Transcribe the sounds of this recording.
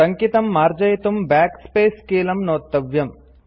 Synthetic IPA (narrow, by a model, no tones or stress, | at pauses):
ɐŋkit̪ɐmːaːɾd͡ʒɐjit̪umbaːkspeːskeːlɐmnoːt̪ːɐʋjɐm